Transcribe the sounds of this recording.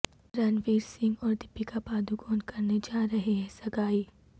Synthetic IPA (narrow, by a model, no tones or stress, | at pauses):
ɾɐnʋeːɾsɪ̃ŋɡɔːɾd̪ɪpːikabaːd̪ukɔːnkɐɾned͡ʒaːɾɐɦeɦɛ̃sɐɡaːiː